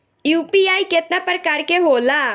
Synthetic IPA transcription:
juːpiaːiket̪napəɾkɐɾkeɦoːlaː

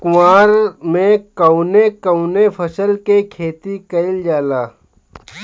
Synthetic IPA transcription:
kʊmaːɾmẽkɐwnekɐʊnepʰɐsəlkekʰeːt̪ikɐɪld͡ʒaːlaː

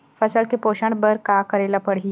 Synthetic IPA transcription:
fɐsəlkepoːʃə̃ɳɖbəɾkaːkəɾeːlapəɽɦi

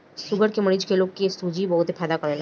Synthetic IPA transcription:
ʃʊɡəɾkemɐɽiːd͡ʒkeloːɡkest̪uːd͡ʒibɐɦʊt̪ɦepʰɛːd̪akɐɾeːlː

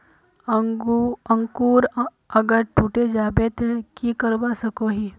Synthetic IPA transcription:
ə̃ŋkuːɾ | ɐɡəɾʈuːʈed͡ʒaːbet̪ʰekikəɾbasɐkoɦiː

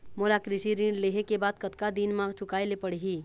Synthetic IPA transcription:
moːɾakɾɪʃiɾĩːɖleɦekebaːd̪̚kət̪kad̪iːnmãːɡt͡ʃʊkaːelepəɽɦiː

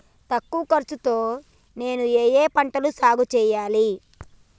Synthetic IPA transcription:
t̪ɐkːuɐkɐɾt͡ʃut̪o̞ː | ne̞ːnueːjeːpɐɳʈɐlusaːɡut͡ʃɛːjaːli

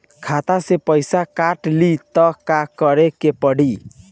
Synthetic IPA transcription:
kʰat̪asepəjsakaʈlit̪ʌkakʌɾekepəɽ̤i

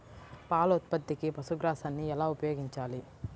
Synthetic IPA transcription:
paːlɐut̪̚pɐt̪ːikipɐsuɡɾaːsɐnːiɛlaːupɐjoːɡiɲt͡ʃaːli

